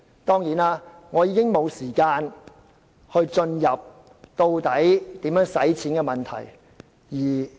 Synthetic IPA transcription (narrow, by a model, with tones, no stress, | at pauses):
t̪ɔː˥ŋjiː˨˥naː˥ | ŋɔː˨˧jiː˨˧kɪ˥ŋmo˨˧wsiː˨˩kaː˧n | hɵ˧ɥt͡sɵ˧njɐ˨p̚ | t̪o˧wt̪ɐ˨˥jt̪iː˨˥mjœː˨˥ŋsɐ˨˥jt͡sʰiː˨˥nkɛ˧mɐ˨˩nt̪ʰɐ̰˨˩j | jiː˨˩